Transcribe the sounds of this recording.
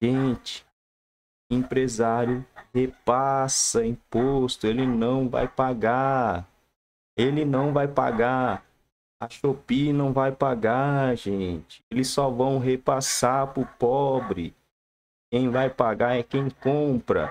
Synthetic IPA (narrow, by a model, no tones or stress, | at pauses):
ʒẽt͡ʃɪ̥ | ĩpɾezaɾjʊhepasɐĩpost̪ʊelɪnɐ̃w̃va̰jpaɡa | elɪnɐ̃w̃vajpa̰ɡa | ɐʃopinɐ̃w̃vajpaɡaʒẽt͡ʃɪ̥elɪssɔvɐ̃w̃ɦepasaɾpʊɾpɔbɾɪ̰ | kẽj̃vajpaɡaɛkẽj̃kõpɾɐ̰